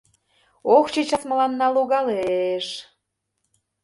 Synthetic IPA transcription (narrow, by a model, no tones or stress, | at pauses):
okt͡ɕit͡ɕɑsmə̆lɑnːɑluɣɑleʃ